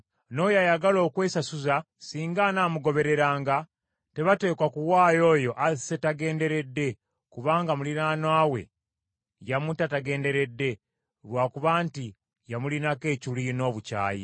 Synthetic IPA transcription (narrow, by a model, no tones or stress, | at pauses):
no̞jajaɡalo̞ːkwe̞ːsasuza | siːŋɡanaːmuɡo̞βe̞ɾe̞ɾaːŋɡa | te̞βate̞ːkwakuwaːjo̞ːjo̞ʔasetaɡe̞ːnde̞ɾe̞dːe̞ | kuβaːŋɡamulinaːnwaːwe̞̰ | jamutataɡe̞ːnde̞ɾe̞dːe̞ | βwaːkuβaːnti | jamulinake̞ːculino̞ːβuca̰ːjḭ